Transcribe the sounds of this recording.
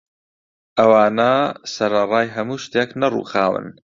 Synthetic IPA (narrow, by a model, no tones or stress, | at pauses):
ʔɐwaːnɐsɐɾɐrˤɑːjɦɐmuːʃt̪eknɐrṵːxaːwɨ̰n